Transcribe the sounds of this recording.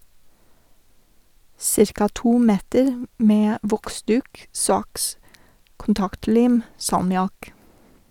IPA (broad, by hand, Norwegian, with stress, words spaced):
ˈsɪɾkɑ ˈtuː ˈmeːtəɾ ˈmeː ˈʋɔkˌsdʉːk ˈsɑks kʊnˈtɑktˌliːm sɑlmɪˈɑk